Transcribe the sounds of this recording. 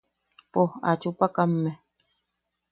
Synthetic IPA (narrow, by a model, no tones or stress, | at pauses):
poha̰t͡ʃupakamːe